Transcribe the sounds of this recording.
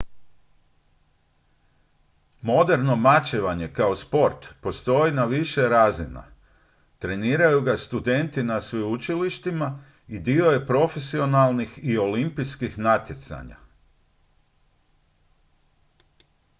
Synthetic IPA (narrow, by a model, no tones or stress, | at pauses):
mo̞d̪e̞ɾno̞mat͡ɕeʋaɲe̞kao̞spo̞ɾt̪po̞st̪o̞jinaʋiʃe̞ɾaːzina̰ | t̪ɾe̞niːɾajuɡast̪ud̪e̞nt̪inasʋiut͡ʃiliʃt̪ima | id̪io̞je̞pɾo̞fe̞sio̞nalˠnixio̞limpiskixnat̪je̞t̪sa̰ɲa̰